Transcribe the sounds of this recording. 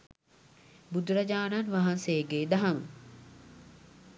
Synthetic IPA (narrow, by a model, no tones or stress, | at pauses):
bud̪uɾɐd͡ʒaːnanʋaɦanseːɡeːd̪aɦamə